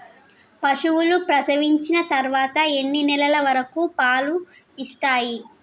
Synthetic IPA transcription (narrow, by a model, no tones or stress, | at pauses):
pɐʂuʋulupɾɐsɐʋiɲt͡ʃinɐt̪ɐɾʋaːt̪ɐe̞nːinɛlɐlɐʋɐɾɐkupaːlu | ist̪aːji